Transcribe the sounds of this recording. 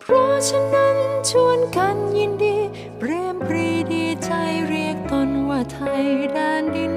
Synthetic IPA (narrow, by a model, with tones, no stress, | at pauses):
pʰɾɔ˦˥t͡ɕʰa˧nːa˦˥nt͡ɕʰu˧˩ənka˧nji˧ndiː˧ | pɾeː˧mpʰɾiː˧diː˧t͡ɕa˧jɾi˧˩ək̚t̪o˧nwaː˧˩t̪ʰa˧jdaː˧ndi˧n